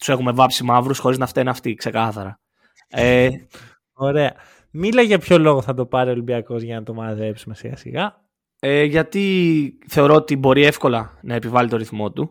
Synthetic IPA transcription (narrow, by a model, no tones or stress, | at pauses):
t̪u̥se̞xume̞vɐpsimɐvɾusxo̞ɾiznɐft̪eneɐft̪ikse̞kɐθɐɾɐ | e | o̞ɾe̞ɐ | milɐʝɐpço̞lo̞ɣoθɐt̪o̞pɐɾeolibiɐko̞zʝɐnɐt̪o̞mɐðe̞psume̞siɣɐ̰sḭɣɐ | eʝɐt̪iθe̞oɾo̞ot̪ibo̞ɾie̞fko̞lɐnɐe̞pivɐlit̪o̞ɾiθmo̞t̪u